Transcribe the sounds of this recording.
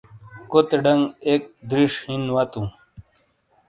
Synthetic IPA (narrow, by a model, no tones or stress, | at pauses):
kot̪eɖɐŋɡek̚d̪ɾiʂhinwɐt̪ũ